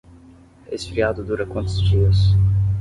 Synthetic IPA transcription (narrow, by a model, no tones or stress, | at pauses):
esɪ̥fɾiad̪ʊd̪uɾɐkwɐ̃nt̪ʊzd͡ʒiɐs